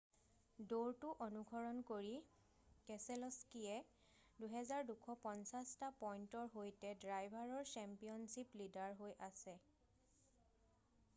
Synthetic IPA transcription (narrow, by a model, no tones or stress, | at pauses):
doɹtuʔonuɡʱɔɹɔnkoɹi | kɛsɛlɔskiɛ | duɦɛzaɹdukʰɔpɔnsastapɔjntɔɹɦojtɛdɹajbʱaɹɔɹsɛmpijɔnsiplidaɹɦojʔasɛ